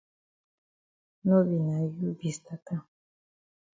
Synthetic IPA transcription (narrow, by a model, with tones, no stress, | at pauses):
no˦βi˨na˨ju˦bi˨st̪a˨t̪a˦